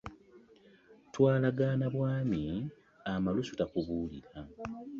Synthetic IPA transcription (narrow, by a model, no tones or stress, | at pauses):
twaːlaɡaːnaβwaːmi | amalusu̥takuβuːliɾa